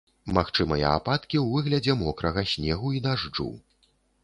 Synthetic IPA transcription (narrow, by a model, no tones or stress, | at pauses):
maxt͡ʂɨmɐjɐ̰a̰pat̪kʲiwvɨɣlʲɐd͡zʲɛmɔkɾɐɣɐsʲnʲɛɣuid̪aʐd͡ʐṵ